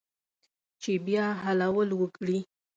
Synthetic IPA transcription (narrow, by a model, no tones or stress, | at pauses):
t͡ʃebjɑɦalawəlwəkɽi